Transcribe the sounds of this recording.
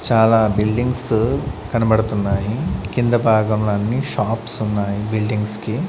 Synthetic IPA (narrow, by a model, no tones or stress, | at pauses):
t͡ʃaːlabilɖiŋɡskɐnɐbɐɽt̪unːaːɦikind̪ɐbʱaːɡɐmɭanːiʃaːpsunːaːɦibilɖiŋɡske